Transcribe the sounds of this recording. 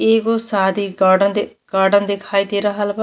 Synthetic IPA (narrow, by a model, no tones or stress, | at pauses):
eːɡoːsaːd̪iːaːɖənd̪ | ɡ̥aːɾɖənd̪ɪkʰaːit̪eːɾaɦəlba